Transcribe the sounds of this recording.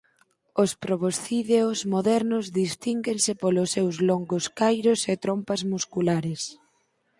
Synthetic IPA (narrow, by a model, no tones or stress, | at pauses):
ʊspɾoβosθiðeozmoðɛɾnʊzðist̪iŋɡensɪpolʊsːewzloŋɡʊskajɾʊset̪ɾompɐzmuskulaɾɪs